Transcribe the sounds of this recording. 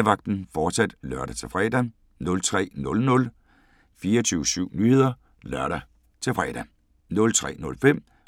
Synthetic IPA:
ʋɑ̈ɡ̥̚d̥n̩fɒːd̥sæd̥lɶɐɾ̥æt͡sʰe̝fʁɛ̰ːd̥æ | nɔ̽lt͡sʰʁɛ̰ːnɔ̽lnɔ̽l | fiːɐt͡sʰyːʊsyʊ̰nyhe̝ð̰ˠɐ | lɶɐɾ̥æ | t͡sʰe̝fʁɛ̰d̥æ | nɔ̽lt͡sʰʁɛ̰ːnɔ̽lfem̰

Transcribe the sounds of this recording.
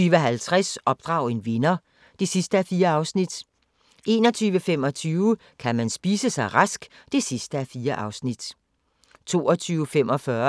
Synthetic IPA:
yːʋəɦælt͡sʰʁɛsʔɒ̽b̥̚d̥ʁɑ̈ʊe̝nʋe̝nɐ | d̥e̝sisd̥əæfiːɐɑ̈ʊsnid̥ | ʔe̝̰ːnɒ̽t͡sʰyːʋəfem̰ɒ̽t͡sʰyːʊə | kʰæmænsb̥iːsəsɑ̈ɪʁɑsɡ̥ | d̥e̝sisd̥əæfiːɐʔɑ̈ʊsnid̥ | t͡sʰo̝̰ːɒt͡sʰyːʊfemʔɒ̽fɶɐ

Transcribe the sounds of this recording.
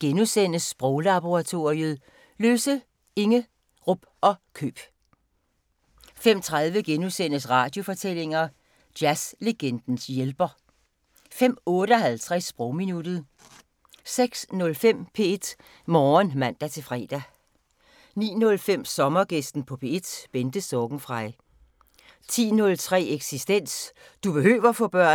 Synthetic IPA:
ɡ̥enusen̰əsb̥ʁɔʊlɑb̥o̝ʁɑ̈t͡sʰo̝iəð̩ˠ | løːsə | e̝ŋə | ʁɔb̥ʔɒ̽kʰø̰ːb̥ | fem̰t͡sʰʁaðˠʋəɡ̥enusen̰əsʁɑ̈ːd̥jo̝fɒ̽t͡sʰel̰e̝ŋɐ | d̥jæsleɡ̥en̰d̥n̩sjelb̥ɐ | fem̰ɔ̽ːɾəɒ̽ɦælt͡sʰʁasːb̥ʁɔʊminud̥ð̞̩ˠ | seɡ̥snɔ̽lfem̰pʰe̝e̝d̥ | mɒːnmæn̰d̥æt͡sʰe̝lfʁɛ̰ːd̥æ | nḭːnɔ̽lfem̰sɒ̽mɐɡ̥esd̥n̩pʰɒ̽pʰe̝ed̥b̥end̥əsɒɡ̥n̩fʁɑ̈ɪ | t͡sʰḭːnɔ̽lt͡sʰʁɛ̰ːeɡ̥sisd̥en̰s | d̥ub̥e̝hø̰ːʋɐfɒ̽b̥ɶɐ̰

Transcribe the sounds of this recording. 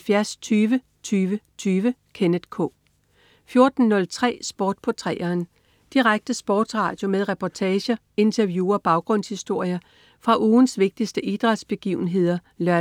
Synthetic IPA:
fjæɐst͡sʰyːʋə | t͡sʰyːʋət͡sʰyːʋəkʰenəð̥ˠkʰɔ̰̽ː | fjo̝ɐd̥n̩nɔ̽lt͡sʰʁɛ̰ːsb̥ɔːd̥̚pʰɒt͡sʰʁɛ̰ːɐːn | d̥iʁaɡ̥̚d̥əsb̥ɒːd̥sʁɑ̰̈ːd̥jo̝meðˠʁɛpʰɒt͡sʰɛːɕɐ | e̝nt͡sʰɐʋjuːɒb̥ɑ̈ʊɡ̥ʁɔ̽n̰shisd̥o̝ɐ̰jɐ | fʁɑ̈ʔuːnsʋe̝ɡ̥̚d̥isd̥əʔid̥ʁɑ̈d̥sb̥e̝ɡ̥ḭʊn̩ɦe̝ð̞̰ˠɐ | lɶɐ

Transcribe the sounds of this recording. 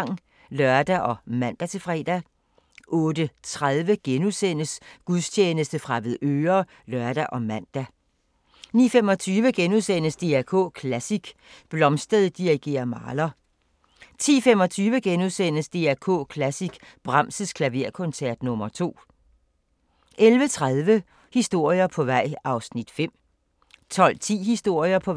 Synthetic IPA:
ŋ̰ | lɶɐd̥æʔɒ̽mæn̰d̥æt͡sʰe̝fʁɛ̰ːd̥æ | ʔɔ̽ːd̥ət͡sʰʁaðˠʋəɡ̥enuðˠsenəsɡ̥uðˠst͡ɕʰeːnəsd̥əfʁɑ̈ʋeðˠøːɐ | lœɐd̥æʔɒ̽mæn̰d̥æ | nḭːfem̰ɒ̽t͡sʰyːʋəɡ̥enusen̰əsd̥e̝ækʰɔ̰̽ːkʰlæsiɡ̥ | b̥lɒ̽msd̥əðˠd̥iʁiɡ̥e̝̰ːɐmɑ̈ːlɐ | t͡sʰḭːfem̰ɒ̽t͡sʰyːʋəɡ̥enuðˠsen̰əsd̥e̝̰æɐkʰɔ̰ːkʰlæsiɡ̥b̥ʁɑ̈m̰səskʰlæʋe̝ɐkʰɔ̽nsæɐd̥nɔ̽mɐt͡sʰo̝̰ː | ʔelʋət͡sʰʁaðˠʋə | hisd̥o̝ɐ̰jɐpʰɒ̽ʋɑ̈ɪ̰ɑ̈ʊsnid̥fem̰ | t͡sʰɒ̽l̰t͡sʰḭːhisd̥o̝ɐ̰jɐpʰɒ̽

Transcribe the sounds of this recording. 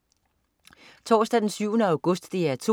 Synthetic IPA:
t͡sʰɒ̰ːsd̥æd̥ensyʊ̰ənəæ̈ʊɡ̥ɔ̽sd̥ːe̝æɐt͡sʰo̝

